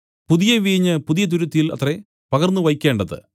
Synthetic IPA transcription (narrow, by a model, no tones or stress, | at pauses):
puðijɐʋiːɲːɨpuðijɐt̪̬uɾut̪ːjilɐ̰t̪re | pɐɣɐrnːuʋɐjikʲːe̞ːɳɖɐðɨ̰